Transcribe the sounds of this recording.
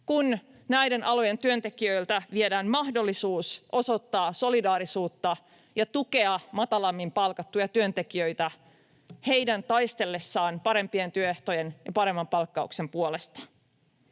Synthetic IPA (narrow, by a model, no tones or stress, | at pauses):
kun | næjdenʔɑlojent̪yø̞nt̪e̞kiø̞ilt̪æʋiedæːmmɑhdo̞lːisuːsʔo̞so̞t̪ːɑːso̞lidɑːɾisuːt̪ːɑ | jɑt̪uke̞ɑmɑt̪ɑlɑmːimpɑlkɑt̪ːujɑt̪yø̞nt̪ekiø̞it̪æ | he̞jdænt̪ɑjst̪e̞lːe̞sːɑːnpɑɾe̞mpie̞nt̪yøeht̪ojenjɑpɑɾe̞mːɑmpɑlkːɑṵkse̞mpuolest̪ɑ̥